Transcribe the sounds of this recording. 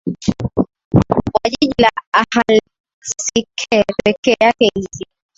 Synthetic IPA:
waʄiʄlaahal | sikʰɛpɛkɛakɛizi

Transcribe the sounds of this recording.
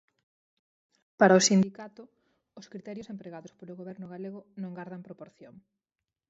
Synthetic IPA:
paɾɐosind̪ikat̪ʊ | ʊskɾit̪ɛɾjosempɾeɣaðospoloɣoβɛɾnʊɣaleɣʊnõŋɡaɾðɐmpɾopoɾθjoŋ

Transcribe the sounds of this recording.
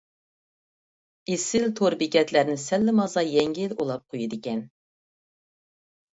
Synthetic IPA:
esɪlt̪ʰoɾbikʲɛt̪læɾnɪsɛlːɪmɑzɑjɛŋɡʲiilolˠɑp̚qʰojud̪ɪkʲɛn

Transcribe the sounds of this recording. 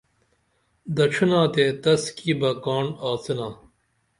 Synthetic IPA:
d̪ɐʈ͡ʂʰunãːt̪et̪ɐskiːbɐkaːɳaːt͡sinãː

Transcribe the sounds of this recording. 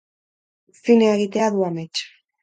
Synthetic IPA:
fineːɣit̪e̞aðuamet͡ʃ

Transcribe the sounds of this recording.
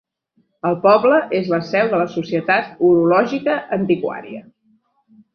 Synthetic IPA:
əlˠpɔbləʔezləsɛwðələsusiət̪at̪uɾulɔʒikəʔənt̪ikwa̰ɾḭə

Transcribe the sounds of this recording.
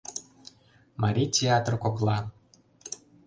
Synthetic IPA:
mɑɾʲitʲeɑt̪rkoklˠɑ

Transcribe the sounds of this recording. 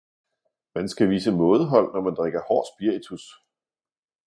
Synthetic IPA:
mænsɡ̥æʋḭːsəmɔ̽ːð̩ˠəɦɒ̽l̰nɒmænd̥ʁeɡ̥ɐhɒ̰ːsb̥iɐ̰it͡sʰus

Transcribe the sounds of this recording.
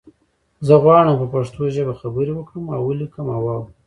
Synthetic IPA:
zəɣwɑɽəmpəpaʂt̪oʒəbaxabəɾiwəkɽəmawəlikəmawɑw

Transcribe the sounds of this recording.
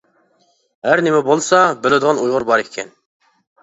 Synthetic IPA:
ɦæɾnɪmɛbolˠsɑbɪlɪd̪ɨʁɑnujʁʊɾbɑɾekʲʰɛn

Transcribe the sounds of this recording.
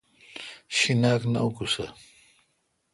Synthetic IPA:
ɕinaːkna̰ukusa

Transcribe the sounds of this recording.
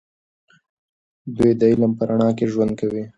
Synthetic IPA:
d̪ujd̪əilampəɾaɳɑkeʒwand̪̚kawi

